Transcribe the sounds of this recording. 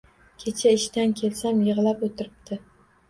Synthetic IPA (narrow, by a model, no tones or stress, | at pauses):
kʲʰe̞t͡ʃʰaɪʃt̪ankʲʰe̞lsamjɨʁlapot̪ʰɪɾɪp̚t̪ʰɪ